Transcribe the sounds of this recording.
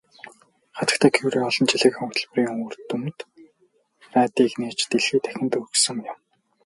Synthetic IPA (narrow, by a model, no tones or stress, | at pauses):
χat̪ə̆kt̪ʰæːkʰewɾeːɔɮɞ̆nt͡ɕiɮɘ̆kʊkt̪ʰə̆ɮp̆riːŋɵɵ̆rt̪umt̪ | ræːt̪iːkneːt͡ɕt̪eɮxiːt̪æ̥xʲɪ̆nt̪ɵksɵ̆ŋjʊ̆m